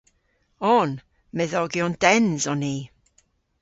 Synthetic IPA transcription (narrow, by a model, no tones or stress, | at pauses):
ɔn | mɛðɔɡjɔnd̥ɛnzɔniː